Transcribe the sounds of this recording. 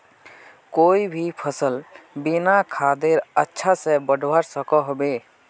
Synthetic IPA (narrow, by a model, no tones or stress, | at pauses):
koibʱipʰəsəlbinakʰad̪eɾətːʃʰasẽbəɖʱbaɾsəkɔɦobe